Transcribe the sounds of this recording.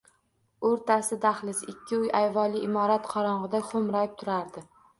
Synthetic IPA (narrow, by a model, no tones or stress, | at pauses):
oɾt̪ʰasɪd̪aχlɪsɪkʲʰːɪʊjajvɒlˠɪʔɪmɒɾat̪qʰɒɾɒɴʁɨd̪aqʰomɾɒjɪp̚t̪ʰʊɾaɾd̪ɪ